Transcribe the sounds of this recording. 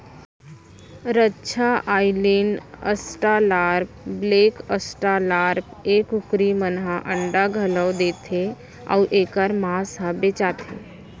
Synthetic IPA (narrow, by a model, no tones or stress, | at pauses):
ɾətːʃʰaʔaːɪlenə̰sʈalaːɾp̚bleːkəsʈalaːɾpeːkʊkɾimənɦaʔə̃ɳɖaɡʱələd̪eːt̪ʰe | ɔ̰ːʔeːkəɾmaːsɦãbeːt͡ʃaːt̪ʰḛː